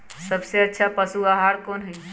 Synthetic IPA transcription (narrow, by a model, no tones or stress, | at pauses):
səbseətːʃʰapəsuaɦaɾkonɦəj